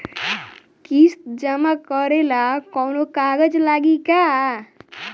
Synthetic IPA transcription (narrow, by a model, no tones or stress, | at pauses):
kist̪d͡ʒəmakəɾelakɔwnokaːɡəd͡ʒlaːɡika